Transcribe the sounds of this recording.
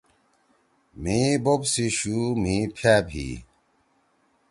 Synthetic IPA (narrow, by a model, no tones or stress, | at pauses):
m̤ĩbobsiɕum̤ĩːpʰjaːbʰʱḭː